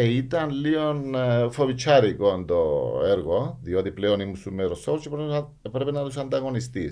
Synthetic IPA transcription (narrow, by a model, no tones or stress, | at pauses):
ejt̪anliɔnfʰɔbit͡ʃʰaɾikɔnd̪ɔeɾɡɔd̪iɔd̪ipleɔnimusumeɾɔsɔwɾt͡ʃipɾ | pɾebnad̪us̬and̪aɡɔnist̪ḭ